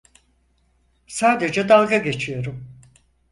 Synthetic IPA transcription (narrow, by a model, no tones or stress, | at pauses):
saːd̪e̞d͡ʒɛd̪alˠɡaɟe̞t͡ʃʰijo̞ɾum